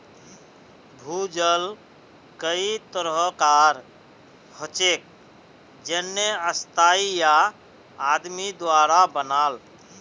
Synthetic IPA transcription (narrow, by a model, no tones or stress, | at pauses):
bʱud͡ʒəl | kəit̪əɾɦəkaɾ | hot͡ʃek̚ | d͡ʒənːeəst̪ʰaijaː | d̪mid̪waɾabənal